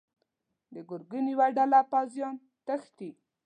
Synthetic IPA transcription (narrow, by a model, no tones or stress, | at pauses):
d̪əɡʊɾɡəniwaɖalapazjɑn | t̪əxt̪i